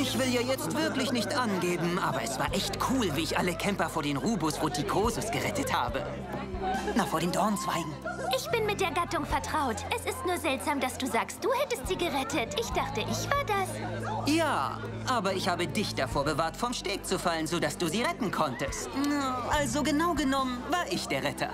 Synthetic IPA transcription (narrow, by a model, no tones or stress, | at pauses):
ʔɪçv̥ɪljaːjɛt͡stv̥ɪɐklɪçnɪçtʔanɡeːbm̩ʔa̰ːbɐɛsv̥aːɐʔɛçtkʰuːlviːɪçʔaləkʰɛmpɐfoːɐdeːnʁuːbʊsʁ̥otikʰoːzʊsɡ̥əʁɛtətha̰ːbə̰ | nafoːɐɾeːndɔɐnt͡sv̥a̰ɪɡŋ̩ʔɪçb̥ɪnmɪt̚d̥eːɐɡatʊŋfɛɐtʁ̥aʊtʔɛsɪstnuːɐzɛltz̥aːmdasd̥uːzaːkst̚d̥uːhɛtəstz̥iːɡəʁɛtətʰʔɪçd̥aχtəʔɪçv̥aːɐdasjaː | ʔaːbɐɪçhaːbədɪçd̥afoːɐbəvaːɐtfɔmʃteːk̚t͡sufalənzoːdasd̥uːziːʁɛtn̩kʰɔntəstnaʔalzoɡənaʊɡənɔmənvaːɐɪçd̥eːɐʁɛtʰɐ̰